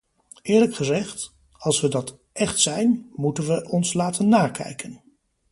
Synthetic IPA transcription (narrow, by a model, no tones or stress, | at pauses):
ɪːɹləkχəzɛχt | ɑlˠsʋədɑt | ɛχtsɛjnmutənʋəʔɔnslaːtənːaːɹkɛ̰jkʰən